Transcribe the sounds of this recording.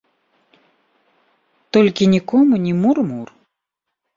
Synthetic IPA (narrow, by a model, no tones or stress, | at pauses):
t̪ɔlʲkʲinʲikɔmunʲimurmur